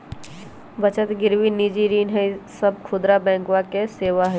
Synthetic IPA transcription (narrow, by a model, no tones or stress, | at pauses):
bɐt͡ʃət̪ɡɪɾʋinid͡ʒiɾiːnɦɛsɐb̚kʰʊd̪ɾabɛ̃ːŋkwakeseːʋaɦɛ